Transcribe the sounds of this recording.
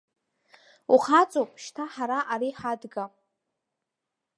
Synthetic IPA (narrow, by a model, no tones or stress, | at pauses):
uχat͡sʼopʼʃtʰaħaɾaʔaɾiħadɡa